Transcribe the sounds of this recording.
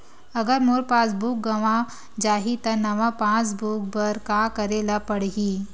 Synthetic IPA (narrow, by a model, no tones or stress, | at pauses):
əɡəɾmoɾpãt͡sbuk̚ɡəʋã | d͡ʒaɦit̪ənəʋapãt͡sbuk̚bəɾkakəɾelapəɽɦi